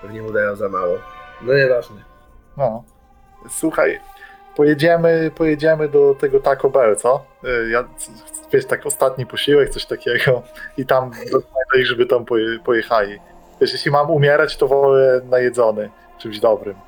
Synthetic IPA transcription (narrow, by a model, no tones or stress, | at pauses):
ɛvɲimud̪ajɔ̃zamalɔnɔɲɛvaʐnɛ | nɔ | swuxajpɔjɛd͡ʑɛmɘpɔjɛd͡ʑɛmɘd̪ɔt̪ɛɡɔt̪akɔbɛlt̪sɔ | ja | vʲjɛʂt̪akɔst̪at̪̚ɲipɔɕiwɛk̚t̪sɔɕt̪akʲɛɡɔit̪amzatnajt̪aiʐɛbɘt̪ampɔjɛpɔjɛxalʲi | vʲjɛʂ̬jɛɕlʲimamumʲjɛɾat͡ɕt̪ɔvɔlɛnajɛd̪zɔnɘ | t͡ʂɘmʑd̪ɔbɾɘm